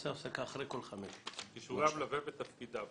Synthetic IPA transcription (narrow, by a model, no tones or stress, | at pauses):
safsakaːχʁejkolχameʃkiʃuʁamlavevet̪afkid̪a